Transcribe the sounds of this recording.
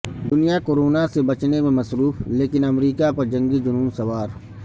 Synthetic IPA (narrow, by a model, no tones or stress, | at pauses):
d̪ʊnijakoːɾoːnasebɐt͡ʃnemẽmɐsɾuːfleːkɪnɐmɾiːkapɐɾd͡ʒɐ̃ŋɡid͡ʒʊnuːmsɐwaːɾ